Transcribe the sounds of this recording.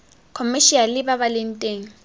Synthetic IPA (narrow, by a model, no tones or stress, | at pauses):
kʰɔmɪʃialɪbabalɪn̩tʼeːŋ̩